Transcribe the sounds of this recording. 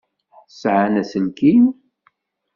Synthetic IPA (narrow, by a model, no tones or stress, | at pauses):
sʕanæsənkin